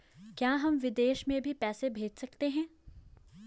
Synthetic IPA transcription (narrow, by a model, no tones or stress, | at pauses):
kjaːɦɐmʋɪd̪eːʃmẽbʱipɛːsebʱeːd͡ʒsɐkt̪eɦɛ̃ː